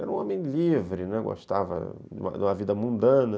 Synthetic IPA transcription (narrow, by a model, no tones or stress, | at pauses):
ɛɾɐũõmẽj̃livɾɪnɛɡo̰ʃt̪avɐ̰ | d͡ʒṵ̃mɐ̰d̪ũmɐvid̪ɐmũnd̪ɐ̃nɐ